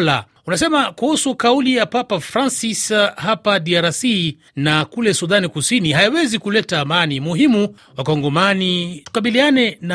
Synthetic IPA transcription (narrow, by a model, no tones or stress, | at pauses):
la̰ | unasɛmakuhusukaulijapapafɾansishapadiaɾasi | nakulɛsuðanikusiniɦajawɛzikulɛtaːmanimuɦimu | wakɔŋɡɔmanitu̥kaɓilianɛna